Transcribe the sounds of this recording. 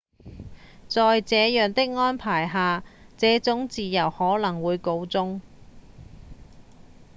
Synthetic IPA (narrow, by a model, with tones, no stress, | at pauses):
t͡sɔː˨jt͡sɛː˨˧jœː˨˩ŋt̪ɪ˥k̚ŋɔː˥npʰaː˨˩jɦaː˧t͡sɛː˨˥t͡sʊ˨˥ŋt͡siː˨jɐ˨˩whɔː˨˥lɐ˨˩ŋwuː˨˧jko˨˧wt͡sʊ˥ŋ